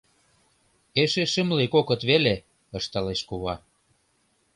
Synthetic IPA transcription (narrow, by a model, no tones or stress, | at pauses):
eʃeʃə̆mlikokɤ̆t̪βele | ɤ̆ʃt̪ɑleʃkuβɑ